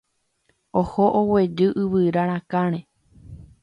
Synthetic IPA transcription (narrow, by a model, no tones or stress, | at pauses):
ohoʔowed͡ʒɨʔɨʋɨɾaɾ̃ãkãɾ̃ẽ